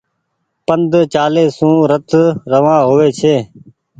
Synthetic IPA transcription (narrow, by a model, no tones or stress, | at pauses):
pənd̪ʱt͡ʃaːleːsũːɾət̪ʰɾəʋãːɦoːʋeːt͡ʃʰeː